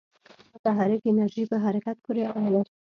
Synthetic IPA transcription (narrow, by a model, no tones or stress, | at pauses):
ʊt̪aɦaɾɪkenaɾʒipəɦaɾakat̪̚pʰuɾeɑlaɾ